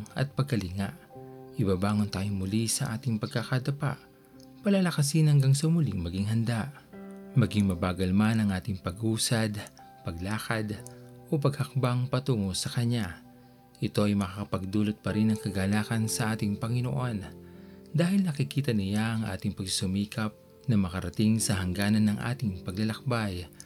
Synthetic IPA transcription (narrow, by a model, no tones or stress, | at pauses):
ŋɐ̰t̪̚pɐɡ̚kɐlɪŋaʔʔɪbabaːŋont̪aːjʊŋmʊlisɐʔaːt̪ɪŋpɐɡ̚kakad̪ɐpa̰ʔ | pɐlalɐkɐsɪnhɐŋɡaŋsɐmʊliŋmɐɡiŋɦɐnd̪aʔ | mɐɡiŋmɐbaːɡɐlmanɐŋʔaːt̪ɪŋpɐɡʔuːsɐd̪ | pɐɡ̚laːkɐd̪ʔo̞p̬ɐɡ̚hɐk̚baŋpɐt̪uːŋosɐkɐɲa | ʔɪt̪o̞ʔɐjmɐkakɐpɐɡ̚d̪uːlot̪̚pɐɾinɐŋkɐɡaːlaːkɐnsɐʔaːt̪ɪŋpɐŋɪno̰ʔo̞nd̪aːhɪlnɐkɪkiːt̪ɐnɪjaʔɐŋʔa̰ːt̪ɪŋpɐɡssʊmiːkɐp̚ | nɐmɐkɐɾɐt̪ɪŋsɐɦɐŋɡaːnɐnɐŋʔa̰ːt̪ɪŋpɐɡlɐlɐk̚baj